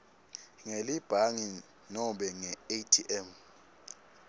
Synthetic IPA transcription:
ŋelib̥ʱaŋi | nɔɓɛŋɛetʰiʔɛm

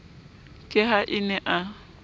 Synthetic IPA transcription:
kʼɪɦaʔɪnɛʔa

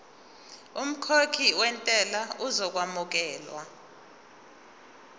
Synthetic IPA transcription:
um̩kʰokʰiwɛntʼɛlauzɔk̬wamuk̬ɛːlwa

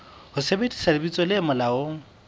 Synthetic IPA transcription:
hʊsebedi̥sadɪbit͡sʼɔlɪmʊlaoːŋ̩

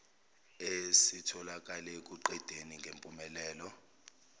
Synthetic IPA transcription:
esitʰɔlak̬ʼalɛk̬ʼuǃɛd̥ʱeniŋɡʱempʼumɛlɛːlɔ

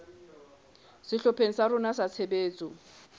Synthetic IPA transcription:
sɪɬɔpʰeŋ̩saɾʊnasat͡sʰebeːt͡sʼʊ

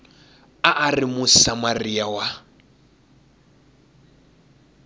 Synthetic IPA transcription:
aʔarimʊsamariawa

